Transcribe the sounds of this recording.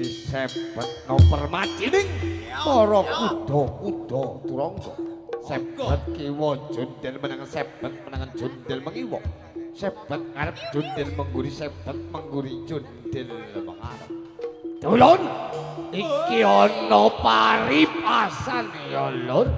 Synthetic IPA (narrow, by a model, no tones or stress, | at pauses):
disɛb̥ət̪̚nɔpərmḁd͡ʒ̥inɪŋsɔɾɔkuɖ̪̥ɔkud̪̥ɔut̪uɾɔŋɡɔ̰sɛb̥ət̪̚kiwɔ̥d͡ʒ̥ond̪ɪlmənaŋənsɛb̥ət̪̚mənaŋən̥d͡ʒ̥ond̪ɪlməŋiwɔ̰ | sɛb̥ə̤t̪̚ŋaɾəp̚d̥d͡ʒ̥ond̪ɪlməŋɡuɾisɛb̥ət̪̚məŋɡuɾi̥d͡ʒ̥ond̪ɪlməŋa̰ɾə̰p̚d̪̥olon | iŋkiɔnɔpaɾipasanjɔlʊr